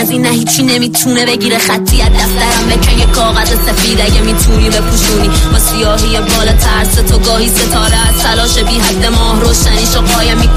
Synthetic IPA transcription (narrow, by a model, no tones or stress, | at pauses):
ziːnːæhiːt͡ʃʰːiːnemiːt̪ʰuːnebe̞ɟiːɾeχæt̪ʰːijæt̪̚d̪æfd̪æɾæmbekʰæjekʰɒːɣæzesefiːd̪æɟemiːt̪ʰuːniːbe̞kʰuʃuːniːbɒsijɒːɦijebɒːlɒːt̪ʰæɾst̪et̪ʰoɡɒːhiːset̪ʰɒːɾɛæst̪ʰælɒːʃebiːɦæd̪ːemɒːhɾoːʃæniːʃoqɒːjɛmi